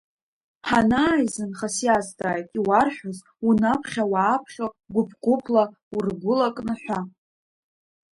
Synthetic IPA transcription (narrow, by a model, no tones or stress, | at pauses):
ħanaːjzɨnχasjazdaːjtʼiwarħʷᶣaz | unapʰχʲawaːpʰχʲo | ɡʷʊpʰqʷʼʊpʰla | urɡʷʊlakʼnɨħʷa